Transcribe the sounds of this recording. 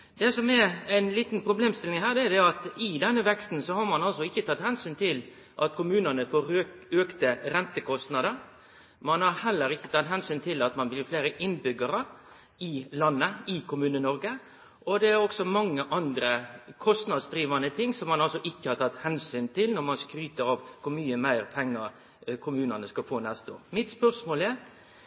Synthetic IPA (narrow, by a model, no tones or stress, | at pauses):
d̪ɛsɔmɛɾæɪnliːt̪n̩pʰɾʊbleːmst̪ɪlɪŋɦæːɾd̪ɛæd̪ɛɑt̪ɪd̪ɛnːəʋɛkst̪n̩sɔhɑɾmɑnɑlsɔɪçːət̪ʰɑt̪ːhɛnsyːnt̪ʰɪl | ʔɑt̪kʰʊmʉːnənəfoːɾøøːkt̪əɾɛnt̪əkʰɔst̪nɑd̪əɾ | mɑnhɑɾhɛlːəɾɪçːət̪ʰɑt̪ːɦɛnsyːnt̪ʰɪlɑt̪mɑnblɪːɾfleːɾəʔɪnbʏɡːəɾə | ɪlɑnːəɪkʰʊmʉːnənɔɾɡə | ʔɔd̪ɛæɾɔksɔmɑŋːəʔɑnd̪ɾəkʰɔst̪nɑd̪sd̪ɾiːʋɑnət̪ʰɪŋːsɔmɑnɑlsɔʔɪçːəhɑɾt̪ʰɑt̪ːhɛnsyːnt̪ɪlnɔɾmɑnskɾyːt̪əɾɑːʋkʰʊɾmyːəmæɪɾpʰɛŋːəɾ | kʰʊmʉːnɑnəskɑfoːnɛst̪o̰ːɾmɪt̪spœʁʂmoːlæɾ